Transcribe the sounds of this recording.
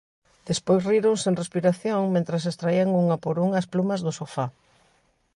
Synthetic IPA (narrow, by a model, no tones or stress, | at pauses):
d̪̥espojzriɾoŋseŋrespiɾaθjoŋmẽnt̪ɾɐs̬est̪ɾaiaŋuŋɐpoɾuŋɐsplumɐzðʊsofa